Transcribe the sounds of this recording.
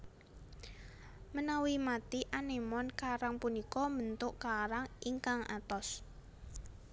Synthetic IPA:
mənawimat̪iʔanemɔnkaɾaŋpunikɔmənt̪ʊʔkaɾaŋiŋkaŋa̰t̪ɔs

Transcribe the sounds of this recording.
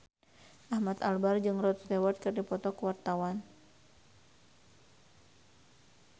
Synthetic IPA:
ʔahmat̪albard͡ʒɨŋrɔt̪̚st̪ɛwat̪̚kɨrdipɔt̪ɔkuwart̪awan

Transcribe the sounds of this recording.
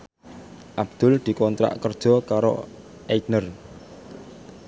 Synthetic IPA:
ʔab̚d̪̥ʊ̤ld̪̥i̤kɔnt̪ɾa̰ʔkər̥ʒ̥ɔkaɾo̰ | ʔetnər

